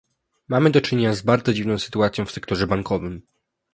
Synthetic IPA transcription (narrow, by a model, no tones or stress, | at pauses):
mamɘd̪ɔt͡ʂɘɲeɲazbaɾd̪zɔd͡ʑivnɔ̃w̃sɘ̥t̪uat̪sʲjɔ̃w̃fsɛkt̪ɔʐɛbaŋkʰɔvɘm